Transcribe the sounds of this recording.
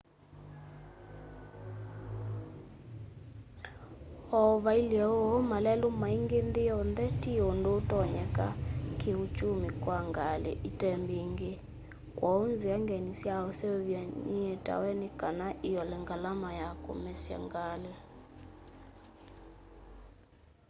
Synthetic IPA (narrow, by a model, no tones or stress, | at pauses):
ɔβailjɛɔɔmalɛlumaiŋɡend̪eɔnd̪ɛtiɔndotɔɲɛkakʰeut͡ʃumikwaŋɡalḛʔitɛmbiŋɡe | kwʔaunziaŋɡɛnisjaɔseβjaɲiɛta̰wɛnikanaʔijɔlɛŋɡalamajako̰mɛsja̰ŋɡale